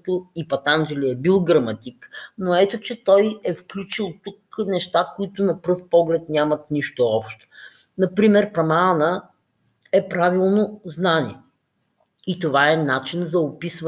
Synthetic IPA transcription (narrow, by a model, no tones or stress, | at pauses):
t̪ʊipɐt̪and͡ʒɛliɛbilˠɡɾɐmɐt̪iknoɛt̪ot͡ʃɛt̪ɔjɛfklʲut͡ʃilˠt̪uknɛʃt̪akʊit̪ʊnɐpɾɤfpɔɡlɛt̪nʲamɐt̪niʃt̪ʊɔpʃt̪o̥ | nɐpɾimɛɾpɾɐmanə | ɛpɾavilˠnoznanʲḭɛ | it̪ovaɛnat͡ʃinzɐopisv